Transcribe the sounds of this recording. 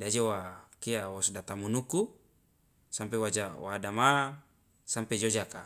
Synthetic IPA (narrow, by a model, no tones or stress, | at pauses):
dad͡ʒowakiawosdat̪amunuku | sampewad͡ʒawadama | samped͡ʒod͡ʒaka